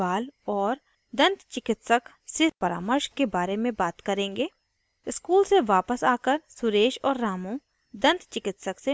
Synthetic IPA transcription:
aːlɔːɾ | d̪ɐ̃nt̪t͡ʃɪkɪt̪sək | sɪpɐɾa̰ːməɾʃkebaːɾemẽbaːt̪kɐɾẽːŋɡeː | ɪskuːlseʋaːpəsaːkəɾsʊɾeːʃɔːɾːaːmõ | d̪ɐ̃nt̪t͡ʃɪkɪt̪səkse

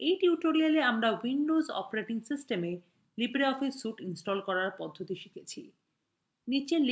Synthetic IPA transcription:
ejʈiuʈoɾialeamɾawinɖozɔ̰paɾeʈiŋsisʈeme | libɾeɔfisuʈinsʈɔlkɔɾaɾpɔd̪ʱːot̪iʃi̥kʰet͡ɕʰi | nit͡ɕel

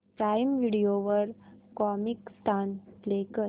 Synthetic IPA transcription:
pɾaːɪmʋiɽijoʋəɾkɔmɪkst̪ʰanplekəɾ

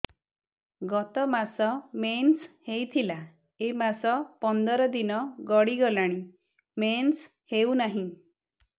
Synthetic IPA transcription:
ɡɔt̪ɔmasɔmenshejt̪ʰila | emasɔpɔnd̪ɔɾɔd̪inɔɡɔɽiɡɔlaɽ̃i | mens | heunaɦĩ

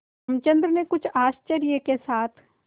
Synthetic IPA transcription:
ɐmt͡ʃə̃nd̪ɾənekʊt͡ʃʰaːst͡ʃəɾijəkesaːt̪ʰ

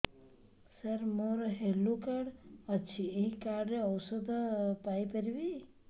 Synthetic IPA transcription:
səɾmoɾɦelukaɖət͡ʃʰieɦĩkaɾɖɾeɔwsəd̪pajpəɾibi

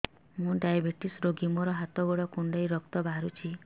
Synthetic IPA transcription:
mũɖajabʱeʈisɾoɡimɔɾɔɦat̪ɔɡoɽɔkuɳɖajɾɔk̚t̪ɔbʱaɾut͡ʃʰi

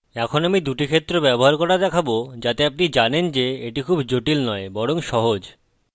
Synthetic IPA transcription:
ɛkʰonamid̪uʈikʰet̪ːɾobɛboɦaɾkɔɾad̪ɛkʰabod͡ʑat̪eapnid͡ʑanend͡ʑeeʈikʰubd͡ʑoʈilnɔebɔɽoŋʃɔɦod͡ʑ

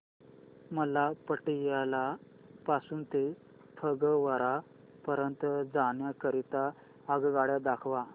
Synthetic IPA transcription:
məlapəʈijala | pasuːnt̪e | pʰəɡəʋəɾa | pəɾənt̪d͡zaɳjakəɾit̪aː | ɡɡaɽjad̪akʰʋa

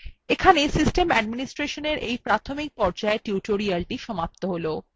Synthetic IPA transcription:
ekʰanesisʈemɛɖminisʈɾeʃoneɾʔejpɾat̪ʰomik̚pɔɾd͡ʑaeʈjuʈoɾialʈiʃɔmap̚t̪oɦolo

